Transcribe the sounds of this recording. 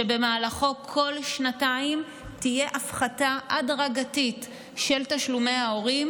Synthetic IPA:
ebe̞maːlaχo̞kʰo̞lʃnataim | tije̞ʔafχataʔadʁaɡatit | ʃe̞ltaʃlumejao̞ʁim

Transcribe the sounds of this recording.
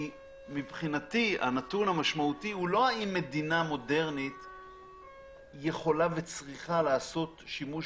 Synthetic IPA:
i | mibχinatia̰natunhamaʃmautihulo̞aimːe̞dinamo̞de̞ʁnit̪ | je̞χo̞lave̞t͡sʁiχalaːso̞t̪ʃimuʃ

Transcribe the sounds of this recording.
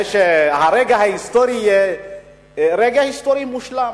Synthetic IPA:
ʃɛɦaɾɛɡaɦaɦist̪ɔɾijɛ | ɾɛɡaɦist̪ɔɾimuʃla

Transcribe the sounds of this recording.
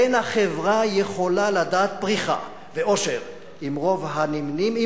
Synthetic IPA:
enaχevʁajeχo̞lalad̪aːt̪̚bʁiχa̰ | veʔo̞ʃeʁ | imʁo̞vɦanimnimi

